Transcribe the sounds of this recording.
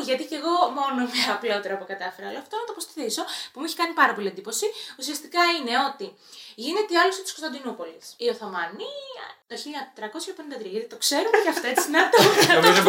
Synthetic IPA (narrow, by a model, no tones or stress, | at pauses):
ʝɐt̪ice̞ɣo̞mo̞nomɐːpleot̪eɾɐpukɐt̪ɐfeɾɐloɐft̪onɐt̪ɐpost̪i̥θiso̞pumeçi̥kɐnipɐɾɐpo̞liend̪ipo̞siusiɐst̪ikɐine̞o̞t̪i | ʝine̞t̪eɐlusot̪i̥skost̪ɐnd̪inupo̞lisio̞θo̞mɐniɐ̰t̪oçiʎɐt̪ɾɐko̞sçɐpenind̪ɐt̪ɾiɐʝɐt̪it̪o̞kse̞ɾumtɐft̪oesinɐt̪oɐt̪o